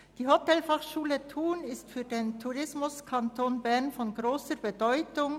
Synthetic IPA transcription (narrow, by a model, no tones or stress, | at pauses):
d̥iːɦotɛlfaχʃuːlətʰuːnɪstfyːɐdeːntʰuʁɪsmʊskʰantʰoːnbɛʁnfɔnɡʁoːsəbədɔʏtʊŋ